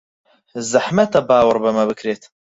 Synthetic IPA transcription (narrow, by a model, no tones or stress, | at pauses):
zɨħmɐt̪ɐbaːwəɾbɐmɐbɨkɾeːt̪